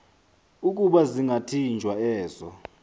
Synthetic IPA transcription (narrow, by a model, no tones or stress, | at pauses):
uk̬ʼuɓaziŋʱatʰind͡ʒʱwaɛːzɔ